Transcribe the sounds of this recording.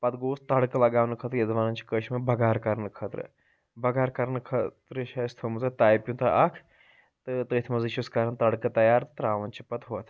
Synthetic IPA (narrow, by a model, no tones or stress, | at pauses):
pɐt̪ɡoːst̪ɐɽkɐlɐɡaːʋnɨkʰəːt̪ɾjɐd̪ʋaːnɐnt͡ʃʰi̥kəʃmɐbɐɡaːɾkɐɾnɨkʰɐt̪ɾɨ̰ | bɐɡaːɾkɐɾnɐkʰɐt̪ɾəʃaːst̪ʰomɐzɐt̪aːjpʲjũt̪ʰɐʔɐkʰ | t̪ɨt̪ət̪ʰimɐzɐʃuskaːɾɐnt̪ɐɽkɐt̪ɐjaːɾt̪ɨt̪ɐɾaːʋɐnt͡ʃʰipɐt̪ɦot̪ʰ